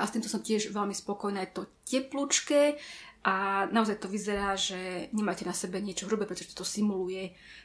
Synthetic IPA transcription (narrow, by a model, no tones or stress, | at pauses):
ast̪imt̪ɔsɔmcɪɛʒʋɛlmispɔkɔjnaːjt̪ɔcɛplut͡ʃkɛʔanaɔzajt̪ɔʋizɛɾaːʒɛɲɛmaːcɛnasɛbɛɲɪɛt͡ʃɔɦɾubɛpɾɛt̪ɔʒɛt̪ɔ̥t̪ɔsimulujɛ